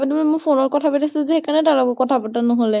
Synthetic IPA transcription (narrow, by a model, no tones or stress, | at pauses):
badimɔmʊpʰonɔɹkɔtʰabatʰasizexekanɛtalɔkɔkɔtʰapatanɔɦolɛ